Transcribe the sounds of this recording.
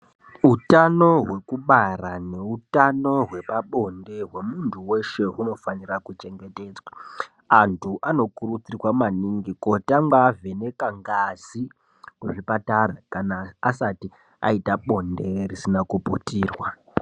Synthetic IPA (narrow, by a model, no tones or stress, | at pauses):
utano̞ɦwe̞kuɓarane̞utano̞ɦwe̞paɓo̞nde̞ɦwe̞muntʰuwe̞ʃe̞uno̞fanirakut͡ʃe̞ŋɡe̞te̞d͡zwa | antʰuʔano̞kuɾut͡sirwamaniŋɡiko̞tamɡaːve̞ne̞kaŋɡazi | kuʐipatarakanaasati | a̰itaɓo̞nde̞risinakuputiːrwa